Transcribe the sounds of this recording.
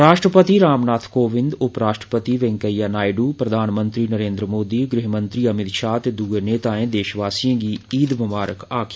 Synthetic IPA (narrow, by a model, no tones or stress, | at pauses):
ɾaːʃʈɾəpət̪iːɾaːmnaːt̪ʰkoːʋɪ̃nd̪ʊpɾaːʃʈɾəpət̪iːʋɛ̃ŋkəijaːnaːjɖuːpɾəd̪ʱaːnmənt̪ɾiːnəɾẽːnd̪ɾəmoːd̪iːɡɾɪɦmə̃nt̪ɾiːəmɪd̪ʃaːt̪eːd̪uɡeneːt̪aːẽːd̪eːʃʋaːsijãːɡiːiːd̪ʋəmaːɾəkaːkʰː